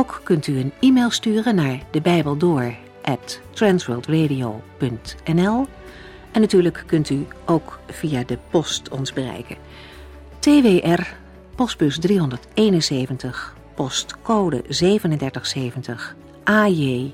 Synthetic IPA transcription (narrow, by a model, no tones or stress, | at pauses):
owkkɵntyənimelˠstyːrənaːɹdəbɛjbəlˠdʊːɹ | ʔɛtː | rɛnsɹəlˠtrejdijopɵntɛnɛlˠ | ɛnːatyːɹləkːɵntyʔowkv̥ijaːdəpɔstɔ̰nzbərɛ̰jkə̰ | teːʋeːʔɛr | pɔs̚bɵsdriɦɔndəɹtejnənsejvəntəχ | pɔstkowdə̰zejvənəndɛɹtəχsejvəntəχ | ʔaːje